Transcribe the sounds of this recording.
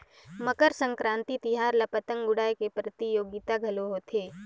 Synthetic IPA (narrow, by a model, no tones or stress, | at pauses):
məkəɾsə̃ŋkɾãːnt̪it̪iɦaːɾlɐpət̪ə̃ŋɡʊɽaːekepɾət̪ijoːɡit̪aɡʱɐloɦot̪ʰeː